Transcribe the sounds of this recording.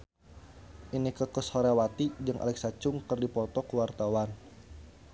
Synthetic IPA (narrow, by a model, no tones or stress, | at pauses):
ʔinikəkəsɔɾawat̪id͡ʒɨŋʔa̰lɛk̚sat͡ʃʊŋkərdipɔt̪ɔkəwart̪awan